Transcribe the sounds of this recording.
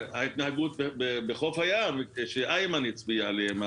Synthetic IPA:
hait̪naɦaɡut̪̚bebebeχofhajamʃeʔajmanit͡sbialeema

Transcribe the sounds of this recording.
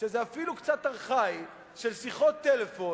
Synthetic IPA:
ʃezeafilukt͡sat̪aʁχaj | ʃelsiχot̪ːelefo̞

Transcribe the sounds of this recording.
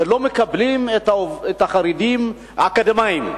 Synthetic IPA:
lo̞mekablimetaoet̪aχaɾidim | hakad̪emaim

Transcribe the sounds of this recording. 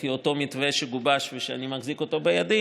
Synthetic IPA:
io̞to̞mitveʃeɡubaʃveʃeanimaχziko̞t̪o̞bejadi

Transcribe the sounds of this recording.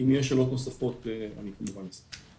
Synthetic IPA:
imjeʃelot̪osafo̞t̪ea̰nikamuvanlasi̥

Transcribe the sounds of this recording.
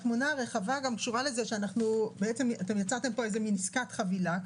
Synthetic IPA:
χmonaʁe̞χavaɡamkʃuʁale̞zeʃeanaχnubeet͡semat̪e̞mjat͡sat̪e̞mpo̞eze̞miniskat̪χavila

